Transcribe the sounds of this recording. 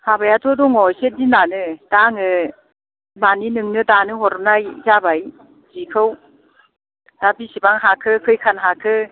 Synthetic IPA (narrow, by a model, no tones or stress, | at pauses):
habajatʰɔdɔŋɔjsedinanɯd̥aŋɯ | maninɯŋnɯdanɯɦɔɾɔp̚najzabaj | zikʰɯw | d̥abisibaŋɦakʰɯkʰɯjkʰanɦakʰɯ